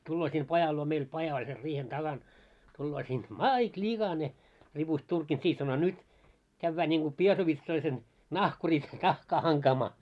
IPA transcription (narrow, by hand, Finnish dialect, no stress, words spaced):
tulːoː sin pɑjɑl luo meil pɑjɑ olʲ ser riːhen tɑɡ̊ɑn tulːoː siːn mɑˑit lʲiɡ̊ɑne ripust turkin siːh sɑno nyt kæʋːæː niŋɡ̊u piesoʋitsoisen nɑhkuris nɑhkɑː hɑŋkɑːmɑː